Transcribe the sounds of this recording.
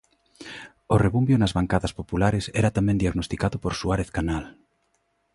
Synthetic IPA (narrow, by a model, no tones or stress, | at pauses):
oreβumbjonazβaŋkaðɐspopulaɾesɛɾat̪amɛ̃nd̪iaɣnost̪ikaðʊpoɾsuaɾeθkanal